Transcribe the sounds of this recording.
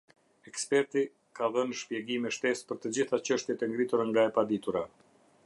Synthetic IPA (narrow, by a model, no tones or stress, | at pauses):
ɛkspɛɾt̪i | kaðənʃpjɛɡimɛʃt̪ɛspəɾt̪əd͡ʑiθat͡ɕəʃt̪jɛt̪ɛŋɡɾit̪uɾaŋɡaɛpad̪it̪uɾa